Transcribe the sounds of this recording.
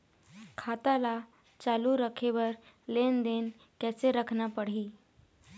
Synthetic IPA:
kʰat̪ala | t͡ʃaluɾəkʰeʋəɾ | lend̪en | kɛseɾəkʰnapəɽ̤ɦiː

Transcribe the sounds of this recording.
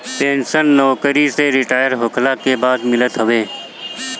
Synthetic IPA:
peːnsənːɔːkəɾiseɾɪʈaːjəɾɦokʰlakebaːd̪mɪlət̪ɦəʋeː

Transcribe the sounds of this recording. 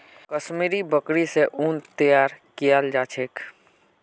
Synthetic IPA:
kəsmiɾibəkɽiseʔunt̪ijaɾkijald͡ʒat͡ʃʰeːk

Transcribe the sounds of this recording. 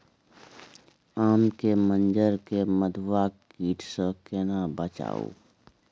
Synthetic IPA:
aːmkemə̃nd͡ʒəɾkeməd̪ʱwakiːʈʰsəkenabət͡ʃa̰ːo̰ː

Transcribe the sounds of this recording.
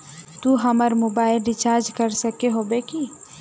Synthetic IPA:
t̪uɦəməɾmobaɪlɖit͡ʃaɾd͡ʒkəɾsəkeɦobeki

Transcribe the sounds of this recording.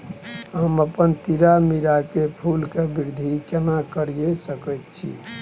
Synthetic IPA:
ɦəməpənt̪iɾamiɾakepʰulkebiɾd̪ʱikenakəɾijesəkəjt̪̚t͡ʃʰḭ

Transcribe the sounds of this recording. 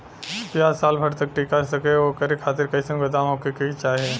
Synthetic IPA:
pjaːsaːlbʱɐɽt̪ɐk̚ʈiːkaɾsɐkeokɐɾekʰaːt̪ɪɾkɐisɐ̃ŋɡɡɐd̪aːmɦoːkekɐit͡ʃaːɦie

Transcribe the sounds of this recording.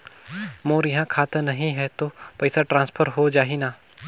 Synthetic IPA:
moːɾjɐɦãkʰaːt̪anɐɦĩɦɛt̪opɛɪsaʈɾãːnspʰəɾɦod͡ʒaːɦinaː

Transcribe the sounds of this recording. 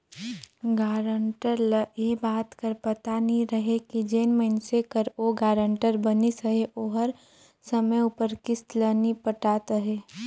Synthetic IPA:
ɡaːɾəɳʈəɾləjebaːt̪kəɾpɐt̪anĩɾəɦekid͡ʒeːnməɪnsekəɾoːɡaːɾə̃ɳʈəɾbənisəɦeʔoːɦəɾ | səməjupəɾkɪslənipəʈaːt̪əɦeː

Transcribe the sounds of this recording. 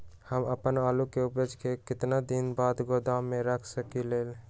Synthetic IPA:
həməpənaːlukeʊbəd͡ʒkekɪt̪nad̪ɪnbaːd̪ɡod̪amːẽɾəkʰsəkileːl

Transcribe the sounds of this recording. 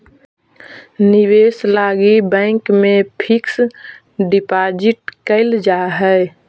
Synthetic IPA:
niweːslaːɡibɛ̃ɪkmẽpʰɪks | ɖɪpad͡ʒɪʈ̚kəɪld͡ʒaːɦɛ

